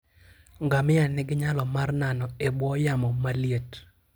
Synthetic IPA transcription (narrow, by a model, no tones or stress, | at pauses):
ŋɡamɪanɪɡɪɲalɔmarnanɔebwɔjamɔmalijet